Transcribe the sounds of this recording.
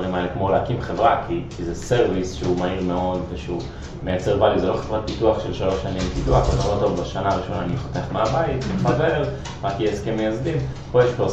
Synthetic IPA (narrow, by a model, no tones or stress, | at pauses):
limaelekmo̞leakimχevʁakʰikizese̞ʁvisʃeumaiʁmeo̞d̪veʃeu | me̞jat͡se̞ʁbalizeloχevʁat̪̚pituaχʃelʃalo̞ʃanimpiduaχonolot̪o̞vbaʃanaːʁiʃo̞naːniχot̪eaχmeabaitbaveel | ʁakjeskemejazdim | po̞jeʃpe